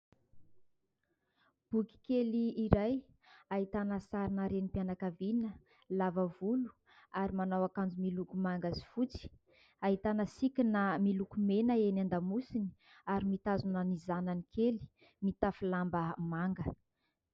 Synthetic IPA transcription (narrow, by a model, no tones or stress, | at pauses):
b̥ukʲi̥keliːɾaj | aɦit̪anəsaɾinəɾenipjanakavinə | lavəvulu̥ | aɾimanawakand͡ʒumilukumaŋɡazi̥fut͡si̥ | aɦit̪anəsikʲinamilukumenəenand̪amusini̥ | aɾimit̪azunənizananikʰeli̥ | mit̪afilambəmaŋɡə